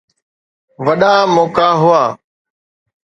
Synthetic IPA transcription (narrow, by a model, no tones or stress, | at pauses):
ʋəɗaːmɔːkaːɦʊaː